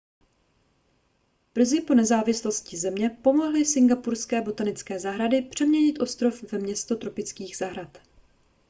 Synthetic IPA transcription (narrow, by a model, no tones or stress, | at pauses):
b̥r̩zɪpo̞nɛzaːvɪslo̞scɪzɛmɲɛpo̞mo̞ɦlɪsɪŋɡapuɾskɛːbo̞t̪anɪt͡skɛːzaɦɾadɪpr̝̥ɛmɲɛɲɪt̪ʔo̞st̪ɾo̞fvɛmɲɛst̪o̞t̪ɾo̞pɪt͡skiːɣz̥aɦɾat̪